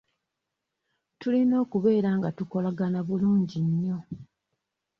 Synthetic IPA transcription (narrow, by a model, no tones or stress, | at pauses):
tulino̞ːkuβe̞ːɾaŋɡatuko̞laɡanaβuluːɲɟiɲːo̞